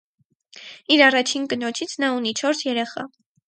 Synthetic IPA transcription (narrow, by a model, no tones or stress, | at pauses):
iɾɑrɑt͡ʃʰinkənɔt͡ʃʰit͡sʰnɑunit͡ʃʰɔɾsjɛɾɛχɑ̰